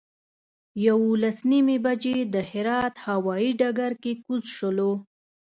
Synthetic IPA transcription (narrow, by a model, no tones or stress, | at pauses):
jawolasnimebad͡ʒed̪əhɪɾɑt̪hawɑiɖaɡaɾkekuzʃəlo